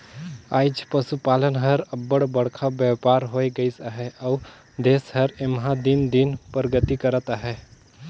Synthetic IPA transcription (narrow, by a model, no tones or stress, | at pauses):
a̰ːɪd͡ʒpəsupaːlənɦəɾəbːəɽbəɽkʰabjapaːɾɦoeɡəisaɦɛʔə | d̪eːsɦəɾemɦãd̪ind̪inpɾɡət̪ikəɾət̪aɦɛ